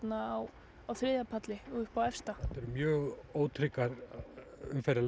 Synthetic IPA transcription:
naaw | awθɾɪðapʰat̪lɪɔɣʏhpawɛfst̪aɛt̪ɛɾʏmjœːɣoːwt̪ʰɾɪkːaɾ | ʏ̰mfɛɾɪl

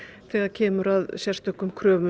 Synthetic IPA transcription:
θɛɣaðcʰɛːmʏɾaðsjɛr̥st̪œhkːʏmkʰɾœːmʏ

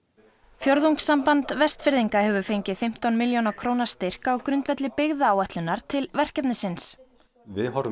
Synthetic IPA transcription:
fjoɾðuwŋksːampant̪vɛst̪fɪɾðiŋkahɛvʏfejɲcɪðfɪm̥t̪ɔnmɪljownakʰɾoːwnḁst̪ɪr̥kaɔkɾʏnt̪vɛt̪lɪpɪɣðaaːwɛht̪lʏnːaɾ̥t̪ʰɪlvɛr̥cɛp̪nɪsɪns | vɪɦaɾʏ

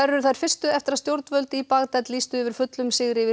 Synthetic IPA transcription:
ɛrːʏɾ̥θajɾ̥fɪr̥st̪ʏɛft̪ɪɾast̪jowɾt̪vœlt̪ipaɣt̪ɛt̪liːst̪ʏɪvɪɾ̥fʏt̪lʏmsɪɣɾɪvɪ

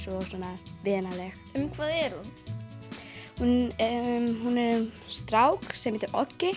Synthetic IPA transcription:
sɔsɔːnːavɛːnalɛx | ʏmkʰvaːðɛɾ̥hun | hunmhunɛɾʏmst̪ɾaːwksɛmɛt̪ʏɾɔcːɪ

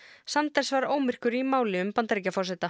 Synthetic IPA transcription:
sant̪ɛɾ̥svaɾoːwmɪr̥kʏɾimaːwlɪʏmpant̪aɾicafɔrsɛt̪a

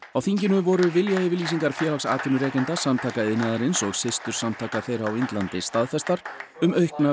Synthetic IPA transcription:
awθiɲcɪnʏvɔɾʏvɪljaɪvɪɾliːs̬iŋkaɾ̥fjɛːɾlaksa̰ːt̪ʰinʏɾɛːcɛnt̪asamt̪ʰaːkaɪðnaːðaɾɪnsɔɣsɪst̪ʏɾ̥samt̪ʰaːkaθejɾaawejnt̪lant̪ɪst̪aðfɛst̪aɾ̥ | ʏmœɥhkna

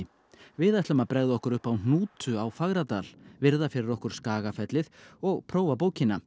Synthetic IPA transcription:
vɪðajt̪œmapɾɛɣðʏɔhkʏɾʏhpawn̥uːt̪ʏawfaɣɾat̪aːl̥vɪɾðafɪɾɪɾɔhkʏɾ̥skaːɣafɛt̪lɪðɔɣpʰɾoːwvapoːwcɪnːa

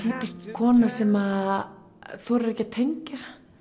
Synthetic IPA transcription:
t̪ʰiːpist̪kʰɔːnasɛma | θɔɾɾɛhcɪat̪ʰejɲcɪɾ

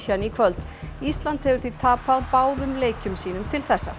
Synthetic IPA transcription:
çanikʰvœlt̪ | ist̪lant̪hɛvʏɾ̥θvit̪ʰaːpaðpaːwðʏmleːjcʏmsiːnʏmt̪ʰɪlθɛsːa̰

